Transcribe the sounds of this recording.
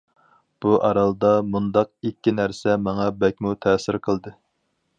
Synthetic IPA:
b̥uʔɑɾɑlˠd̪ɑmund̪ɑq̚ikʲːinæɾsɛmɑŋɑbɛk̚ʲmut̪ʰɛːsɪɾqʰəlˠd̪ɨ

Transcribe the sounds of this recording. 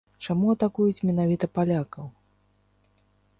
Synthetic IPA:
t͡ʂamuɐt̪akujut͡sʲmʲɛn̪avʲit̪ɐpalʲakɐw

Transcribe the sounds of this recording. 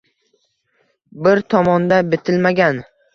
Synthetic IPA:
bɪɾt̪ʰɒmɒnd̪abɪt̪ʰɪlmaɡʲan

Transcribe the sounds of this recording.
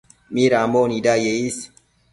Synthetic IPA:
miːɾaːmoːnidaːjeiːs

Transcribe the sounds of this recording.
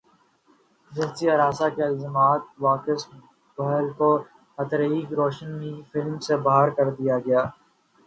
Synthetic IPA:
d͡ʒɐɦt̪iaɾaːsakeɪlzəmaːt̪̚ʋaːkɪs | bɐɦlko | hɐt̪ɾɦiːkɾoːʃənifɪlmsebɐɦaːɾkɐɾd̪ijaɡɐjaː

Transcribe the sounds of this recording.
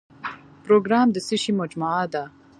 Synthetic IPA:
pɾoːɡɾaːmd̪isiɕimod͡ʒmaaːd̪a

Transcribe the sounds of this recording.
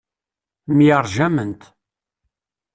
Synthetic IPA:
mjəɾˤʒæmənt̪

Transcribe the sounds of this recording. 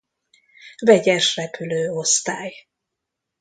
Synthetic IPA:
vɛɟɛʃrɛpyløːo̞st̪aːj

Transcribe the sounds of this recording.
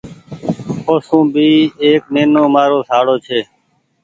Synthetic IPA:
oːsũːbʱiːeːk̚neːnõːmaːɾoːsaːɽoːt͡ʃʰeː

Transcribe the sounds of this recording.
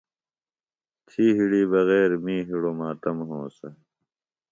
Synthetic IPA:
t̪ʰiːɦiɽiːbɐɣeːɾmĩːɦiɽomaːt̪ɐmɦõ̰ːsɐ

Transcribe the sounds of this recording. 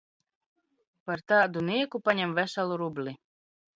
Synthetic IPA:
paɾt̪aːd̪uniɛkupaɲʲɛmvæʃalˠuɾublʲi

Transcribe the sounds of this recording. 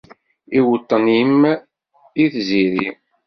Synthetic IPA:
iwət̪ˤːənim | iθziɾi

